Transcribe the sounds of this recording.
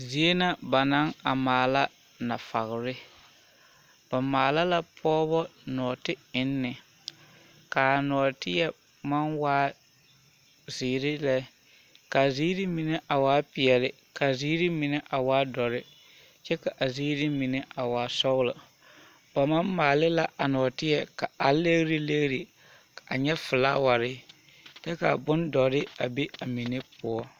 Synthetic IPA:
zi˨e˦na˦ba˨na˦ŋa˨maː˨la˦ | na˨fa̰˨ɣɾɪ˦ | b̥a˨maː˨la˦la˦pʰɔː˦βɔ˦nɔː˨tɪ˦ɪ˦nːɪ˨ | kaː˨nɔː˨tɪ˦jɛ˦ | ma˦nwaː˦ | ziː˨ɾɪ˦lɛ˦ | ka˨ziː˦ɾi˦mi˨ne˦ʔa˨waː˦pɪ˨ɛ˨lɪ˦ | ka˨ziː˦ɾi˦mɪ˨ne˦ʔa˨waː˦dɔ˨ɾɪ˦ | t͡ʃɛ˦ka˨ʔa˨ziː˦ɾi˦mi˨ne˦ʔa˨waː˨˦sɔ˦ɣlʊ˨ | ba˨ma˦nmaː˨lɪ˦la˦ʔa˨nɔ˨tɪ˦jɛ˨ka˨a˨le˦ɣɾi˦le˦ɣɾi˨ | a˨ɲɛ˦fɪ˨la˦wa˨ɾɪ˦ | tɛ˦ka˨bʊ˦ndɔ˨ɾɪ˦a˨be˦a˨mi˨ne˦pʊ˦ɔ˦

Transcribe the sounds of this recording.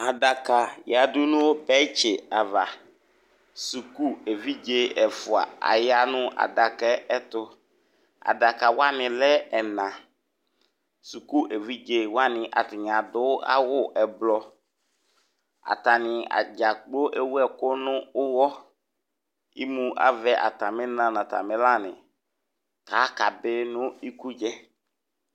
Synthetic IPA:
a˨da˨ka˨ja˨dʊ˦nʊ̃˦wo˦pɛ˦t͡ʃɪ˨a˨va˨ | su˨ku˦e˨vi˦d͡ʒe˦ɛ˨fʊ˨a̰˨a̰˨ja˦nʊ̃˦a̰˨da˨kɛ˦ɛ˦t̪ʊ˦ | a̰˨da˨ka˨wa˦nɪ̃˨lɛ˦ɛ˨nã˨ | su˨ku˦ʔe˨vi˦d͡ʒe˨wa˦nɪ̃˨ʔa̰˨tɪ˨ɲã˨dʊ˦a̰˦wʊ˦˨ʔɛ˨blɔ˨ | a̰˨ta˨nɪ˨a̰˨d͡ʒa˨k͡po˦ʔe˦wu˦ɛ˦kʊ˦nʊ̃˦ʊ˦wɔ˦ | i˦mũ˦a̰˨vɛ˦ʔa̰˨ta˨mɪ̃˦nã˨nã˨ta̰˨mɪ̃˦la˦˨nɪ̃˨ | ka˨˦ka˨bɪ˦nʊ̃˦i˦ku˦d͡ʒɛ˦

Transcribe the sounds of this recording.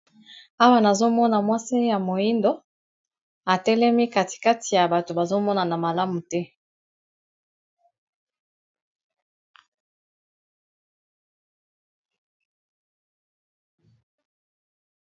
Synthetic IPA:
a˦wa˦na˨zo˦mɔ˦na˨mwa˦si˦ja˨mo˨i˦ndo˦ | a˨tɛ˦lɛ˦mi˦ka˨ti̥˨ka˦ti˨ja˨ba˨to˨ba˨zo˦mɔ˦na˨na˨ma˨la˦mu˨tɛ˦

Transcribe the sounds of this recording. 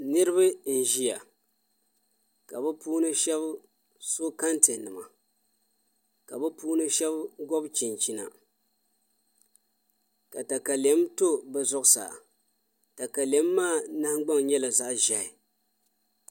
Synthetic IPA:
nɨ˦ɾɨ˦βɨ˦n̩˨ʒi˦ja˨ | ka˨bɛ˦puː˦nɨ˦ʃɛ˦b | so˦ka˦ntɨ˨nɨ˨ma̰˨ | ka˨bɛ˦puː˦nɨ˦ʃɛ˦bɡɔ˦bt͡ʃi˨nt͡ʃi˨na̰˨ | ka˨ta˨ka˨lɛ˦mto˦bɛ˨zɔ˦ʔsa̰ː˨ | ta˨ka˨lɛ˨˦mːaː˦˨na˦hɡ͡ba˦ŋɲɛ˦la˨za˦ʔʒa˨ɪ˨

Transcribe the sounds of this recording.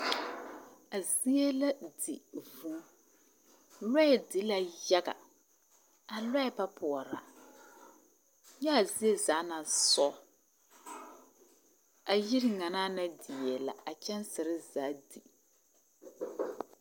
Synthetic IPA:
a˨zi˦e˦la˦di˨vu˦ | lɛ˦ɛ˨dɪ˨˦la˨ja˦ɡa̰˨ | a˨lɛ˦ɛ˨pa˦pʰʊ˨ɔ˨ɾa̰˨ | ɲɛ˦a˨zi˦e˦zaː˨˦na˨sɔ˦ | a˨ji˦ɾŋa˨naː˦na˦di˨jɛ˨la̰˨a˨t͡ʃɛ˦nsɪ˨ɾɪ˦zaː˨˦dḭ˨

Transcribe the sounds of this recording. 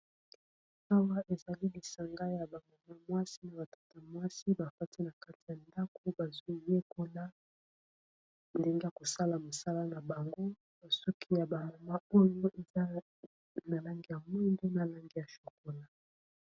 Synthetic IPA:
a˦wa˦ʔe˨za˨li˦li˨sa˨ŋɡa˦ja˨ba˨ma˨ma˦mwa˦si˦na˨ba˨tḁ˦ta˨mwa˦si˦ba˨fa˦ti˦na˨ka˦ti˨ja˨nda˦ko˦ba˨zo˦˨je˦ko˦la˦ | nde˦ŋɡe˦ja˨ko˨sa˦la˨mo˨sa˦la˦na˨ba˨ŋɡo˦ | a˨so˦kʰi˦ja˨ba˨ma˨ma˦o˦jo˦ʔe˨za˦ | na˨la˦ŋɡi˦˨ja˨mɔ˦nde˦na˨la˦ŋɡi˦ja˨ʃo˨ko˨la˦

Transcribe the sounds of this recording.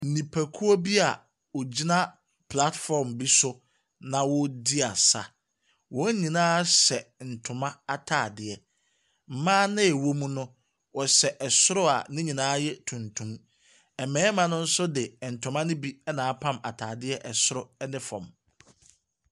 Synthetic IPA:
n̩˨nĩ˨pʰa˨kʰu˦ɔ˦bi˦a˨ | ɔ˨d͡ʑi˦nã˦ | pʰla˦tfɔ˨ɾmbi˦sʊ˦ | nã˨wɔ˦di˦a˨sa̰˨ | wɔ̃˨˦ɲĩ˨nãː˦ɕɛ˨n̩˨tʰʊ̃˨mã˦a˨tʰaː˨dɪ˨ɛ˦˨ | m̩˨mãː˦nɪ̃˦ɛ˨wo˦mũ˦nʊ̃˦ | wɔ˨ɕɛ˨ʔɛ˨sʊ˦ɾʊ˦a̰˨nɪ̃˦ɲĩ˨nãː˦jɛ˦tʰũ˨ntʰũ˦m | ɛ˨mɛ̃ː˨˦mã˨nʊ̃˦n̩˦sʊ˦dɪ˨n̩˨tʰʊ̃˨mã˦nɪ̃˦bi˦ɛ˦nãː˨˦pʰã˦ma̰˨tʰaː˨dɪ˦ɛ˦ʔɛ˨sʊ˦ɾʊ˦ɛ˦nɪ̃˦fɔ̰̃˨m

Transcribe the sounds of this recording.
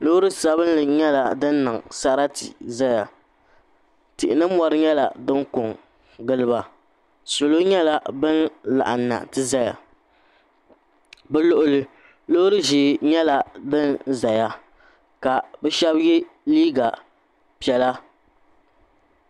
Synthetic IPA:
lo˦ɾɨ˦sa˦bɨ˦n˦lɨ˨ɲɛ˦la˨dɨ˦nː˦ɨ˨ŋsa˦ɾa˦tḭ˨za˦ja˨ | tɪ˨ʔɪ˨nɨ˦mɔ˦ɾɨ˦ɲɛ˦la̰˨dɨ˦ŋkʊ˨ŋ | ɡɨ˦lɨ˦ba˨ | so˨lo˦ɲɛ˦la˦bɨ˦nla̰˨ʔa˨nːa̰˨tɨ˦za˦ja̰˨ | bɛ˦lʊ˨ʔʊ˨lɨ˨ | lo˦ɾɨ˦ʒɪː˨ɲɛ˦la˨dɨ˦nza˨ja˦ | ka˨bɛ˦ʃɛ˦bjɛ˦liː˦ɡa˨ | pi˨ɛ˨la˦

